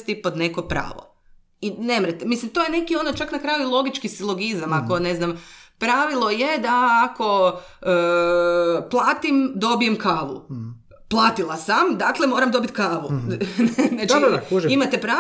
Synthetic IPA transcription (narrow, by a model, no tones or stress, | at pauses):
st̪ipod̪ne̞ko̞pɾa̰ːʋo̰ | inemɾet̪emislimt̪oje̞ne̞kio̞not͡ʃaknakɾajuilˠo̞ɡit͡ʃkisilˠo̞ɡizamako̞ne̞znampɾaʋilˠo̞jed̪aːko̞ | ə | plˠaːt̪imd̪o̞bije̞mkaːʋṵ | plˠaːt̪ilˠasamd̪aklemo̞ːɾamd̪o̞bit̪kaːʋunnat͡ʃuʒimat̪epɾa